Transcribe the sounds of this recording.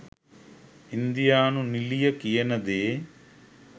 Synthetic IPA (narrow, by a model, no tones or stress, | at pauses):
ind̪ijaːnunilijɐkijɐnɐd̪eː